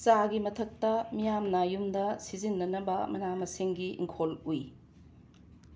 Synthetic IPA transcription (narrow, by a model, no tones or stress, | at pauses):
t͡ʃaɡimɐtʰɐk̚tɐmijamnajumdɐsizinːɐnɐbɐmɐnamɐsiŋɡiʔḭŋkʰoluj